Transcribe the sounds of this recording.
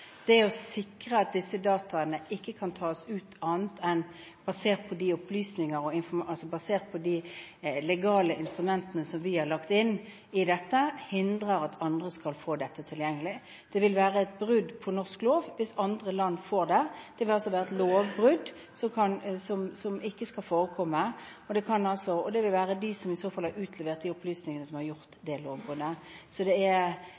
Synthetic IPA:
d̪̥ɛɔsɪkɾəɑt̪̚d̪ɪsːəd̪ɑːt̪ʰɑənəʔɪkːəkʰɑnt̪ʰɑːsʉːt̪ʰɑːnt̪ʰɛn | bɑseːʁt̪̚pʰɔd̪iʊpʰlyːsnɪŋəɾɔɪnfɔmɑlsɔbɑseːʁt̪̚pʰɔd̪ilɛɡɑːləʔɪnst̪ɾʉmɛnt̪ənəsɔmʋɪhɑʁɭɑkt̪ɪnː | ɪd̪ɛt̪ːəhɪnd̪ʁəɾɑt̪ʰɑnd̪ʁəskɑlfoːd̪ɛt̪ːət̪ʰɪljɛŋːəlɪ | d̪̥ɛʋɪlʋæːɾəɛt̪̚bʁʉd̪pʰɔnɔʁskloːʋʋɪsɑnd̪ʁəlɑnːfoːʁd̪ɛd̪̥ɛʋɪlɑlsɔʋæːɾəɛt̪loːʋbʁʉd̪ | sɔmkʰɑnsɔmsɔmɪkːəskɑlfoːɾəkʰɔmːə | ɔd̪ɛkʰɑnɑlsɔɔd̪ɛʋɪlʋæːʁəd̪ɪsɔmɪsoːfɑlhɑɾʉːt̪ʰlɛʋeːʁt̪̚d̪ɪɔplyːsnɪŋənəsɔmhɑɾʁjʊʁt̪d̪ɛloːʋbʁʉd̪əsɔd̪ɛɛ

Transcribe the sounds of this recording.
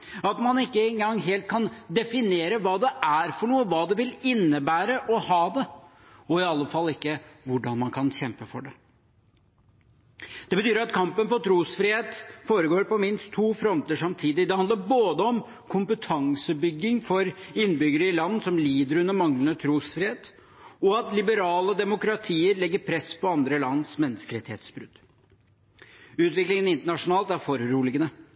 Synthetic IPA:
ɑt̪mɑnɪkːəɛŋɡɑŋːɦeːlt̪̚kʰɑnd̪ɛfɪneːɾəʋɑːd̪ɛʔæɾfɔɳuːəʋɑːd̪ɛʋɪlɪnːəbæːɾəʔɔhɑːd̪ɛ | ɔɪɑlːəfɑlːɪkːəʋʊɖɑnmɑnkʰɑnɕɛmpəfɔɖɛ | d̪̥ɛbət̪ʰyːɾɑt̪kʰɑmpənfɔʈʰɾuːsfɾɪheːt̪foːɾəɡoːɾpɔmɪnst̪ʰːuːfɾɔmt̪əʂɑmt̪ʰiːd̪ɪd̪ɛhɑnd̪əɾboːd̪əɔm | kʰʊmpət̪ʰɑŋsəbʏɡːɪŋfɔɾɪnːbʏɡəɾəɪlɑnːsɔmliːd̪əɾʉnːəɾmɑŋlənət̪ʰɾuːsfɾɪheːt̪ | ɔɑt̪lɪbəɾɑːlɔd̪ɛmʊkɾɑt̪ʰiːəɾlɛɡːəɾpʰɾɛspʰɔɑnd̪ɾəlɑnːsmɛnːəskəɾɛt̪ɪheːt̪sbɾʉd̪̥ | ʉːt̪ʋɪklɪŋənɪnt̪əɳɑʂʊnɑːlt̪æɾfɔɾːuːlɪɡənə

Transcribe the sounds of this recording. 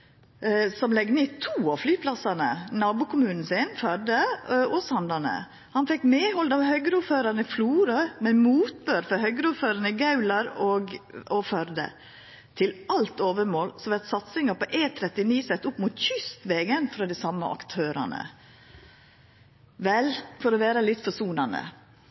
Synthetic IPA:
sɔmlɛɡneːt̪ʰuːɑflyːpʰlɑsɑnə̰nɑːbʊːkʰʊmʉːnn̩sɪnfœɾd̪əʔɔsɑnd̪ɑnə̰ | hɑnfɛkmeːhɔld̪ɑʋhœʏɡɾuːføːɾɑɾnəɪfluːɾəmɛmuːt̪̚bøːɾfɔɾhœʏɡɾuːføːɾɑnəɡɑʉlɑɾɔɡɔfœɾd̪ə̰ | t̪ʰɪlɑlt̪oːʋəɾmoːlsɔʋɛt̪sɑt̪sɪŋɑpɔʔeːt̪ʰɾɛt̪ːɪniːsɛt̪ːʊpmʊt̪çʏst̪ʋɛːɡənfɾɑd̪ɛsɑmːə̰ʔɑ̰kt̪ʰøːɾɑ̰nə̰ | ʋɛlfɔɾɔʋæːɾəlɪt̪ːfɔʂuːnɑnə̰

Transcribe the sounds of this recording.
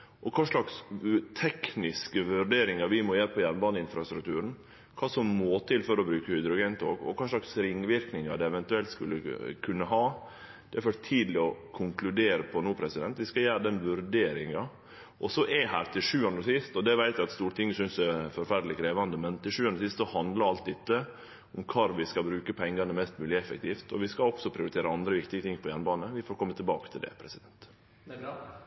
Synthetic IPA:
ʔɔkʰɑːʂɭɑkst̪ʰɛknɪskəʋʉɾɖeːɾɪŋɑʋɪmɔjæːɾəpʰɔjæɾnbɑnəɪnfɾɑst̪ɾʉkt̪ʰʉːɾən̩ | kʰɑːsɔmmoːt̪ʰɪlfɔɾɔbɾʉːkəhʏd̪ɾʊɡeːnt̪ʰo̰ːɡɔ̰kʰɑːʂɭɑksɾɪŋːʋɪɾknɪŋɑ̰ɖ̪ɛɛʋɛnt̪ʉɛlt̪skʉ̰lːə̰kʰʉnːəɦɑː | d̪ɛæɾføɾt̪ʰiːd̪lɪɔkʰʊŋklʉd̪eːɾəpʰɔnuːpʰɾɛsɪd̪ɛnt̪ʋɪskɑjæːɾəd̪ɛnʋʉɾɖ̪eːɾɪŋɑ | ɔsɔʔɛhæːɾt̪ʰɪʂʉːɑnɾɔsɪst̪ɔd̪ɛʋæɪt̪jæɪɑt̪st̪uːɾət̪ɪŋːəsʏnsɛfɔɾfæɾd̪lɪkʰɾeːʋɑnd̪əmɛnt̪ʰɪlʂʉːɑnɾsɪst̪sɔhɑnd̪ləɾɑlt̪̚d̪ɛt̪ːə | ʊmkʰɑːɾʋɪskɑbɾʉːkəpʰɛŋɡɑnəmɛst̪mʉːlɪɛfə̰k̚t̪ʰiːft̪ʰɔʋɪskɑɔksɔpʰɾɪʊɾɪt̪ʰeːɾəɑnd̪ɾəʋɪkt̪ɪɡət̪ɪŋːpʰɔjænbɑːnəʋɪfɔːɾkʰɔmːət̪ʰɪlbɑːkə̥t̪ʰɪld̪ɛ̰pʰɾɛsɪd̪ɛnt̪

